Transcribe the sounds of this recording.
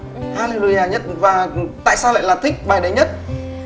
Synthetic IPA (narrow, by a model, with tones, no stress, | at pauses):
haː˧li˧lu˨˩˨jaː˨˩ɲə˦˥t̚vaː˨˩t̪a̰ː˧˨jsaː˧lə̰ː˧˨jlaː˨˩t̪ʰï˦˥k̚vaː˨˩jɗə˨˦ɲə˦˥t̚